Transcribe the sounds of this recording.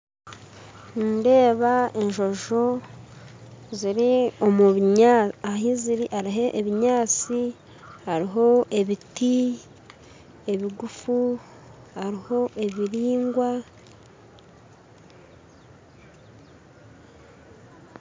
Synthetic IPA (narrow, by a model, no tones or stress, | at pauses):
nde̞ːβaeɲʒo̞ʒo̞ | ziɾio̞muβɲaɦiziɾiʔaɾiɦe̞ʔːβiɲaːt͡si | haɾiɦo̞ʔe̞βiti | e̞βiɡufu | haɾiho̞ʔe̞βiɾiːŋɡwa